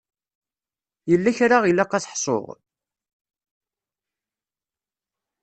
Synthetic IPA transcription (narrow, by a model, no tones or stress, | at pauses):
jəlːæçɾaʁilːæqːɑsħsˤo̰ʁ